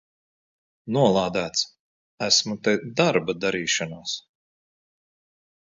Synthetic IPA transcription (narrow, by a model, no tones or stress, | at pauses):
nuɔlˠaːd̪æːt̪s | æsmut̪ɛd̪aɾbad̪aɾiːʃanaːs